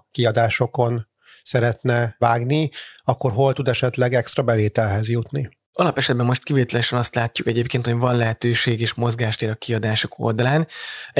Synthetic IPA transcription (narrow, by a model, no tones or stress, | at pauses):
kiɒd̪aːʃo̞ko̞n | sɛɾɛt̪nɛvaːɡniɒkːo̞rɦo̞lt̪ud̪ɛʃɛt̪lɛɡɛkst̪rɒbɛveːt̪ɛlɦɛzjut̪ni | ɒlɒpɛʃɛd̪̚bɛmːo̞ʃt̪kiveːt̪ɛlɛʃɛnɒst̪laːcːukɛɟeːpkeːnt̪ho̞ɟvɒnlɛɦɛt̪øːʃeːɡeːʃmo̞zɡaːʃt̪eːɾɒkiɒd̪aːʃo̞̥kʰo̰ld̪ɒlaːn